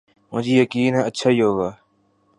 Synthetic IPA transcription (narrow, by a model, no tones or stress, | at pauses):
mʊ̃d͡ʒiːjəkiːnɦɛ̃ːətːʃʰaːiːɦoːɡaː